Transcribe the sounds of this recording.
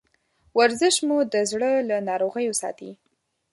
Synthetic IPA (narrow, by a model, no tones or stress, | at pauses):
waɾzɪʃmud̪əzɽəlanɑɾoɣəjosɑ̰t̪ḭ